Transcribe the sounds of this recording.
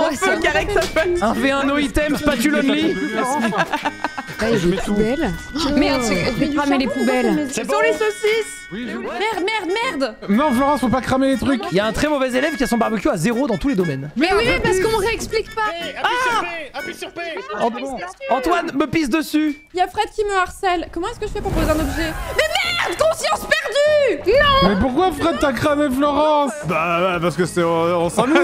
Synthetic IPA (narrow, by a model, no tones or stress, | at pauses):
ɔ̃føkaʁɛksafɛt̪ɛ̃fɛɛ̃nɔit̪ɛmspat̪yləd̪li | apubɛlmɛ̃fekχamelepubɛlsɔ̃lesosis | mɛʁd̪mɛʁd̪mɛʁd̪nɔ̃flɔʁɛ̃sfɔ̃pakχamelet̪χykiljaɛ̃t̪χɛmɔvɛzelɛvkʲiasɔ̃baʁbəkʲjoazeʁod̪ɑ̃t̪uled̪ɔmɛnmɛwipaʁskəmɔʁeɛksplikpaa | pɑ̃ɑ̃t̪wanməpizd̪əsy | jafχɛd̪̚kʲiməaʁsɛlkɔmɑ̃ɛskəʒəfɛpuʁpozeɛ̃nɔbʒɛmɛmɛʁd̪kɔ̃sjɑ̃spɛʁd̪ynɔ̃mɛpuʁkwafχɛd̪̚t̪akχameflɔʁɑ̃sbapaʁsə̥kəsɛɔ̃sɑ̃n